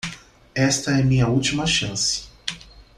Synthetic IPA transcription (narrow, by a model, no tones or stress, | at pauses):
ɛst̪ɐɛmĩɲɐuwt͡ʃimɐʃɐ̃sɪ̥